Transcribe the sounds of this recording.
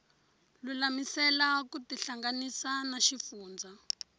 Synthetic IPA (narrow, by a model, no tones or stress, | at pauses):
lulamisɛlakutiɬaŋɡanisanaʃifuːnd͡zʱa